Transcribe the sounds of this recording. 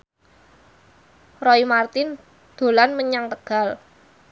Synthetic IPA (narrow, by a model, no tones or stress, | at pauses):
rɔimart̪ɪn | d̪̥o̤lanməɲaŋt̪əɡ̥a̤l